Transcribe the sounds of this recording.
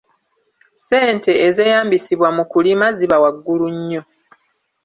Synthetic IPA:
se̞ːnte̞ːze̞ːjaːmbisiβwamukulimaziβawaɡːuluɲːo̞

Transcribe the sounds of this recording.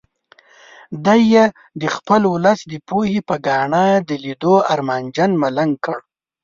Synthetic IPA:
d̪ajːe | d̪əxpəlwʊləsd̪əpohepəɡɑɳad̪əlid̪oaɾmɑnd͡ʒanmalaŋkəɽ

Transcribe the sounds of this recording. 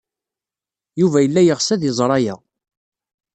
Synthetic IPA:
juvæjəlːæjəʁsæðjəzˤɾˤɑjæ

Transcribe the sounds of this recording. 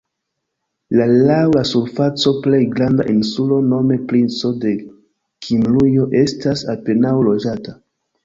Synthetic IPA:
lalawlasuɾfat͡so̞ple̞jɡɾanda̰ʔinsulo̞no̞me̞plinso̞de̞ | kʰimlujo̞ʔe̞stasape̞nawlo̞d͡ʒata

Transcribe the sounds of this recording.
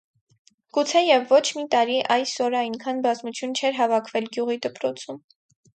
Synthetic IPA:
ɡ̥ut͡sʰɛjɛvːɔt͡ʃʰmit̪ɑɾiʔɑjsɔɾɑjnkʰɑnbɑzmut͡sʰjunt͡ʃʰɛɾɦɑvɑkʰvɛlɡjuʁid̪əpɾɔt͡sʰum

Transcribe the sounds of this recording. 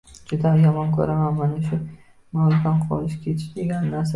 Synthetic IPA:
d͡ʒʊd̪ajɒmɒnkʰɵ̰ɾamanmanaʃʊ | mawlʊk̪anqʰɒ̰lɪʃkʲʰe̞t̪ʰɪ̥ʃd̪eɡʲanɪnaɾsa

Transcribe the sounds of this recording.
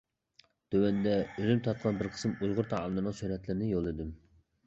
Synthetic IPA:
d̪̥øwɛnd̪ɛølymt̪ʰɑt̪̚qʰɑnbɪɾqʰə̥sɨmujʁʊɾt̪ʰɑlˠnɨnɨŋsyɾɛt̪lɪɾɪnɪjolˠɨd̪ɪm

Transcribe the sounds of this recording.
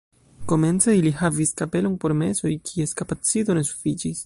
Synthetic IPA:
ko̞me̞nt͡se̞ilihaviskape̞lo̞npo̞ɾme̞so̞jkʰie̞skapat͡sit̪o̞ne̞su̥fit͡ʃis

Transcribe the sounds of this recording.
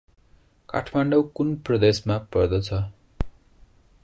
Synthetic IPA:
ka̰ʈʰmaɳɖʌwkunprʌd̪esmapʌrd̪ʌt͡sʰʌ

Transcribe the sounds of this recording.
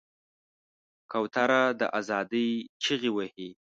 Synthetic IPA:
kawt̪aɾad̪ə̰ʔazɑd̪əjt͡ʃiɣiwəhi

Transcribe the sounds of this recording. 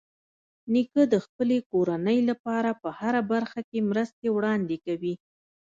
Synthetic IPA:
nikəd̪əxpəlekoɾanəjlapɑɾapəhaɾabaɾxakemɾəst̪ewɽɑnd̪ekawi

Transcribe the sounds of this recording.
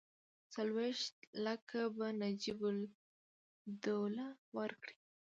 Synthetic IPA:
t͡salweʃt̪̚lakʰabanad͡ʒibʊl | d̪olawəɾkɽi̥

